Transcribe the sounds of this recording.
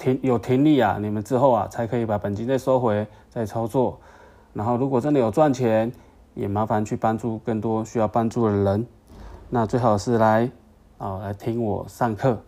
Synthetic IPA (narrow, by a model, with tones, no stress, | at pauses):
t̪ʰi˧˥ŋjo˨˩ʊt̪ʰi˧˥ŋli˥˩a̰˨˩ni˨˩mə˨˦nt͡sɻ̩˥˧xo˥˩ʊa̰˨t͡sʰa˧˦ɪkʰɤ˧˥i˧˥˩pa˨˩pə˨˩nt͡ɕi˥nd̪ə˧so˦˥ʊxwe˧˥ɪ | t͡sa˥˧ɪt͡sʰɑ˥ʊt͡swɔ˥˩ | na˧˥nxo˥˩ʊlu˧˥kwɔ˨˩t͡sə˦˥nd̪ə˨jo˨˩ʊt͡swa˥˨nt͡ɕʰjɛ˧˦n | jɛ˨˩ma˧˦˥fa˧nt͡ɕʰy˥˩pa˦nʈ͡ʂu˥˧kə˥˩ŋt̪wɔ˦ɕy˥jɑ˥˧ʊpa˥˦nʈ͡ʂu˥˩d̪ə˨˩lə˧˦n | na˥˧t͡swe˥˧xɑ˨˩ʊdə˨˩ʂɻ̩˥˩la˧˦ɪ | ə˨˩la˨˧˦ɪt̪ʰi˦ŋwɔ̰˨˩ʂa˥˧ŋkʰɤ˥˧˩